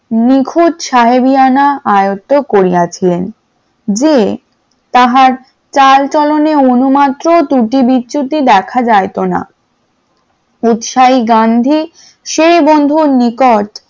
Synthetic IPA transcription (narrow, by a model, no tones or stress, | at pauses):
nikʰud̪ʃaɦebianaajot̪ːokoɾijat͡ɕʰilen | d͡ʑe | t̪aɦaɾ | t͡ɕalt͡ɕɔloneonumat̪ːɾod̪uʈibitːɕut̪id̪ɛkʰad͡ʑaet̪ona̰ | ut̪ʃaiɡand̪ʱi | ʃeɾibond̪ʱunikoʈ